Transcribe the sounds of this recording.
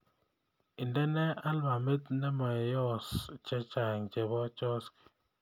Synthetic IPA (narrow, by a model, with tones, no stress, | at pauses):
i˨ndɛ˦nɛ˦a˦lma˨me˦t̪nɛ˦ma˨jɔ˦st͡ʃɛ˦t͡ʃa˨ŋt͡ʃɛ˨βɔ˦t͡ʃɔ˦sk